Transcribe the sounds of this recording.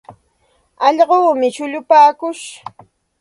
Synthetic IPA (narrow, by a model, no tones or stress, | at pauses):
ɑʎɢoːmɪʃʊʎʊpaːkʊʃ